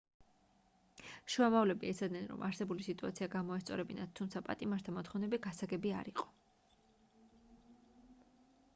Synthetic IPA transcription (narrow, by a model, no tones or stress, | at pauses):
ʃuamavlɛbiɛt̪sʰad̪nɛnɾɔ̰mʔaɾsɛbulisit̪ʼuat̪sʰiaɡamɔɛst̪sʼɔ̰ɾɛbinat̪̚t̪ʰːumt̪sʰapʼat̪ʼimaɾst̪ʰamɔt̪ʰχɔvnɛbiɡasaɡɛbia̰ɾiqʼɔ̥